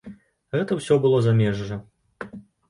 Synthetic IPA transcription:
ɣɛt̪ɐwsʲɔbɨlˠɔzamʲɛʐːɐ

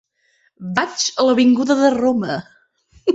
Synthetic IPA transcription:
bat͡ʃələβiŋɡuðəðəromə

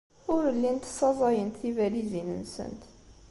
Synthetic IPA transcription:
ʊɾəlːint̪sˤɑzˤɑjənt̪θivælizinə̰nsə̰nt̪

